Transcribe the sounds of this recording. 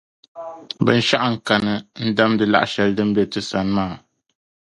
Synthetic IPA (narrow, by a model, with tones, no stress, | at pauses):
bɨ̰˨n̩˦ʃa˦ʔa˦˨ŋ̩˨ka˨nɨ˨n̩˦da˦mdɨ˨la̰˨ʔa˦ʃɛ˨ldɨ˦m̩˦bɛ˦tɨ˦sa˨n˦maː˦˨